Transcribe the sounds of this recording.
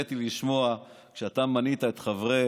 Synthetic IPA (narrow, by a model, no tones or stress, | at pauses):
et̪iliʃmo̞akʃeat̪amanit̪aet̪χavʁe